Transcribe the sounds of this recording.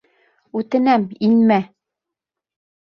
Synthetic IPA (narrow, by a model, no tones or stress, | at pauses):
ʉt̪ɘ̆næminmæ